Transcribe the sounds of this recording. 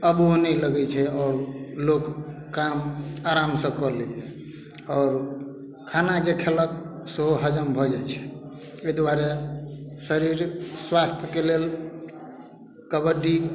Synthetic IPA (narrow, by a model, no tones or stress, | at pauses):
əbonɛləɡɛt͡ʃʰɛɔːɾlokː | amaɾamsə̃kɔlɛjɛ | ɔːɾ | kʰanad͡ʒekʰelək̚səɦoɦəd͡ʒəmbʱɔd͡ʒajt͡ʃʰɛ̥ | əjd̪waɾe | səɾiɾswast̪ʰjəkelel | kəbəɖi